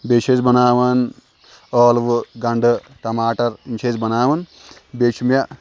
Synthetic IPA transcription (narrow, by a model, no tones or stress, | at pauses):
bet͡ʃʰezbɐnaːʋɐn | ɔːlʋɨɡɐɳɖɨ | ʈɐmaːʈɐɾint͡ʃʰezbɐnaːʋɐn | beːt͡ʃʰimjɐ